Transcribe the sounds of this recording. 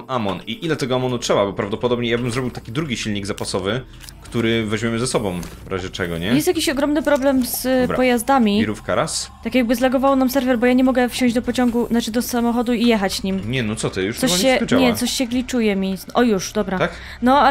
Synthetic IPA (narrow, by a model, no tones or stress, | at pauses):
amɔniʔilɛt̪ɛɡɔamɔnutʂɛbabɔpɾavd̪ɔpɔd̪ɔbɲɛjabɘmzɾɔbʲiwt̪akʲid̪ɾuɡʲiɕilɲiɡzapasɔvɘ | kt̪uɾɘvɛʑmʲɛmɘzɛsɔbɔ̃w̃vɾʔa̰ʑɛt͡ʂɛɡɔ̰ɲɛjɛst̪jakʲiɕɔɡɾɔmnɘpɾɔblɛmzɾapɔjazd̪amʲiiɾufkaɾast̪akʲjaɡ̚bɘzlɛɡɔvawnamsɛɾvɛɾbɔjaɲɛmɔɡɛfɕɔ̃ʑd͡ʑd̪ɔpɔt͡ɕɔŋɡunat͡ʂɘd̪ɔsamɔxɔd̪uijɛxat͡ɕɲimɲɛnɔt̪sɔt̪ɛjuʂt̪ɔɛt͡ɕaɲɛsɔɕɕɛɡlʲit͡ʂujɛmʲiʔɔjuʂd̪ɔbɾak | nɔa